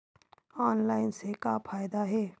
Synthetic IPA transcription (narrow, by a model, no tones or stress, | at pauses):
ɔːnlaːɪnsekapʰaːjd̪aɦɛː